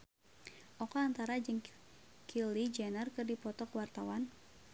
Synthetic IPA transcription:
ʔɔkɔant̪aɾad͡ʒɨŋ | kʰilid͡ʒɛnərkɨrdipɔt̪ɔkwart̪awan

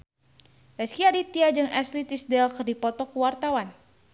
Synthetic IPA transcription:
bɛskiadit̪iad͡ʒɨŋaslit̪isdɛlkərdipɔt̪ɔkuwart̪awan

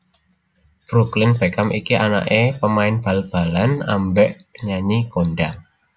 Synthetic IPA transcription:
bɾuklɪnb̥ɛkamʔikiʔana̰ʔepəmaɪnb̥a̤lb̥a̤lana̰mbɛʔɲaɲikoɳɖaŋ

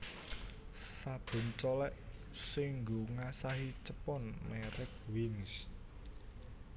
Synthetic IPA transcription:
sab̥o̤nt͡ʃɔlɛʔ | sɪŋɡoŋasaɦit͡ʃəpɔnmɛɾɪk̚wɪŋs

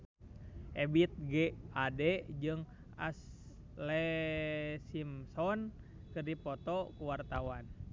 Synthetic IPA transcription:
ʔɛbit̪̚ɡɛadɛd͡ʒɨŋ | a̰s | lɛ | simsɔn | kɨrdipɔt̪ɔkuwart̪awan

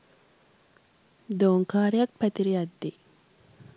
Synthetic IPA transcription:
d̪oːŋkaːɾiɐk̚pæt̪iɾiɐd̪ːi

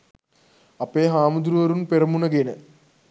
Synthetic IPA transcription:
ɐpːeːɦaːmud̪uɾuʋɐɾunpeɾɐmːunɐɡenɨ

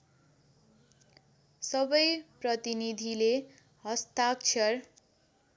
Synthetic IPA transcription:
sʌbʌjprʌt̪inid̪ʱile | hʌst̪ak̚t͡sʰʌr

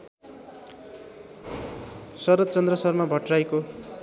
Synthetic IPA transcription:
sʌɾʌt̪̚t͡sʌnd̪rʌsʌrmabʱʌʈrajko

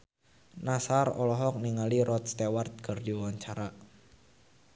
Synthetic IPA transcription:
nasarɔ̰lɔɦɔk̚niŋaliɾɔt̪̚st̪ewart̪̚kərdiwaɲt͡ʃaɾa

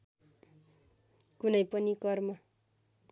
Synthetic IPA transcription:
kunʌjpʌnikʌrmʌ

